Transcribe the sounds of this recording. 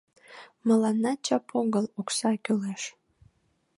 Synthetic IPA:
məlɑnːɑt͡ɕɑpʰoɡɤloksɑkʲyleʃ

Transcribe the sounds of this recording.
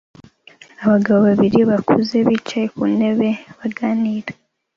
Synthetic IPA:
aβaɡaβoβaβiɾiβakʰuze̞βit͡ʃajekune̞βe̞βaɡaːniɾḁ

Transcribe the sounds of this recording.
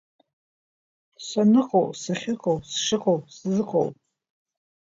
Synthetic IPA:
sanɨqʼowsaχʲɪqʼowsʂɨqʼowpszɨqʰʼo̰wp

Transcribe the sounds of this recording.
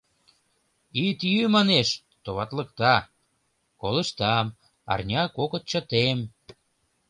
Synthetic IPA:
it̪jymɑneʃ | t̪oβɑt̪lə̆kt̪ɑ | kolə̆ʃt̪ɑm | ɑ̰rnʲɑkokət̪̚t͡ɕə̆t̪em

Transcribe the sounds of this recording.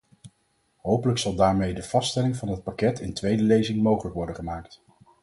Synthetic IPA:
ɦowpələksɑlˠdaːɹmejdəv̥ɑstɛlɪŋvɑnɦət̚pakɛtʰɪntʋejdəlejzɪŋmowχələkʋɔɹdəχəmaːkt

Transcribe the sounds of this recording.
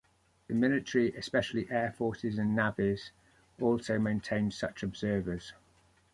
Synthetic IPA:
ðəmɪlɪtəɹiʔɪspɛʃəliʔɛːfɔˑsɪzə̃nːavɪz̥ | ɔˑlˠsəʊmẽɪ̃ntʰẽɪ̃n̥sʌt͡ʃɒbz̥ɜːvəz̥

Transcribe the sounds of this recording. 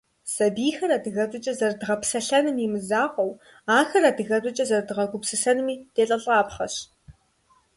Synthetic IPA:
sɐbiːxɐɾaːdɨɣɐdʷʼʊt͡ʃʼɐzɐrdɨʁɐpsɐɬɐnɨmimɨzaːʁʷɐw | aːxɐradɨɣɐdʷʼʊt͡ʃʼɐzɐrdɨʁɐɡʷʊpsɨsɐnɨmiːd̥eːɬʼɐɬʼʁɑːpχɐɕ

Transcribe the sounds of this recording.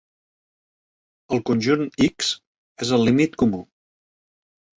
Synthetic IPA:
əlˠkunʲʒuniks | ezəlːimit̪kumu

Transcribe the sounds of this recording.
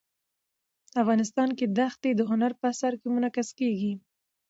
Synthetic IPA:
afɣɑnɪs̬t̪ɑnked̪axt̪ed̪əɦʊnaɾpəasaɾkemʊnakaskeɡi

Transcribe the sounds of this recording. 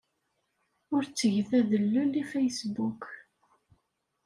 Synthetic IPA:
ʊɾt͡sːəʝəθæðəlːulːifejsbuk

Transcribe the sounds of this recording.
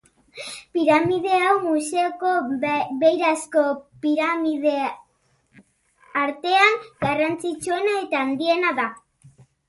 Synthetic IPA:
piɾamið̞e̞awmuse̞oko̞βe̞jɾasko̞piɾamiðe | aɾt̪e̞aŋɡ̥arant͡sit͡ʃue̞nae̞t̪aːnd̪ie̞naða

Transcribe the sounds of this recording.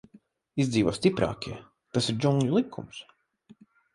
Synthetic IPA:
izd̪ziːvo̰ːst̪ipɾa̰ːkʲiɛ | t̪asiɾd͡ʒuŋɡʲulˠikʰːṵms

